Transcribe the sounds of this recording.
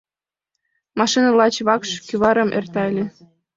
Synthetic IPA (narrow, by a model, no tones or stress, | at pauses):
mɑʃinɤlɑt͡ɕβɑkʃkyβɑɾɤ̆mʔḛrt̪ɑelʲĕ